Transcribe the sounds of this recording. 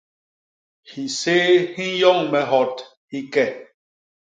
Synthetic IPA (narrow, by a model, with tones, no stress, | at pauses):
hi˨seː˦hi˦jɔ˦ŋmɛ˨ɦɔ˨t | hi˦kɛ˦˨